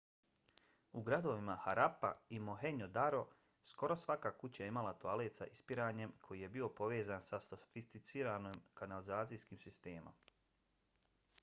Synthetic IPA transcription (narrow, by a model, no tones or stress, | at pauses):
uɡɾad̪o̞ʋimahaɾapa̰imoɦe̞ɲod̪aɾo̞ | sko̞ɾo̞sʋakakut͡ɕajeimalat̪oaleːt̪sa̰ʔispiɾaːɲe̞mkʰo̞jije̞bio̞po̞ʋe̞ːzaːnsasofist̪it̪siːɾanoːmkanalizaːt̪sijskiːmsist̪e̞ːmo̰m